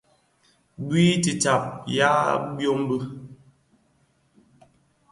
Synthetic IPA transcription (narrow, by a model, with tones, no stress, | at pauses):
bwi˦ti˨ta˨p̚ja˦bjo˦m˦bə˦